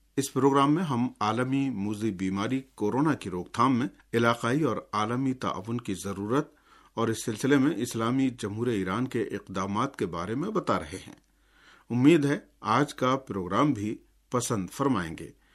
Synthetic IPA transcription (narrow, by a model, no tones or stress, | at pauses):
ɪspɾoːɡɾaːmːẽɦɐmaːləmimuːzibiːmaːɾikoːɾoːnakiɾoːɡt̪ʰaːmːẽ | ɪlaːqaːiɔːɾaːləmit̪a̰ːʋːʊnkizɐɾuːɾət̪̚ | ɔːɾɪsːɪlsɪlemẽʔɪslaːmid͡ʒɐmɦuːɾeiːɾaːnkeʔɪqd̪aːmaːt̪kebaːɾemẽbɐt̪aɾɐɦeɦɛ̰̃ː | ʊmːiːd̪ɦɛ | aːd͡ʒkapɾoːɡɾaːmbʱi | pɐsə̃nd̪fɐɾmaːḛ̃ːŋɡḛː